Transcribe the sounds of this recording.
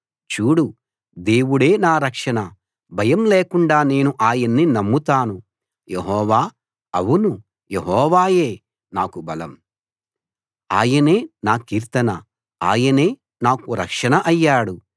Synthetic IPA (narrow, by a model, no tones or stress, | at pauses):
t͡ʃuːɽu | d̪e̞ːwuɽe̞ːnaːɾɐkʂɐnɐ | bʱɐjɐmleːkuɳɖaːne̞ːnuʔaːjɐnːinɐmːut̪aːnu | jeɦɔːʋaː | ɐwunu | jeɦɔːʋaːje̞ː | naːkubɐlɐm | a̰ːjɐne̞ːnaːkiːɾt̪ɐnɐ | a̰ːjɐne̞ː | naːkuɾɐkʂɐnɐʔɐjːaːɽu